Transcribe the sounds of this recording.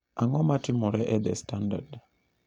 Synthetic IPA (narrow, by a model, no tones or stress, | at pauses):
aŋɔmatɪmɔɾɛʔɛd̪ɛstanda̰d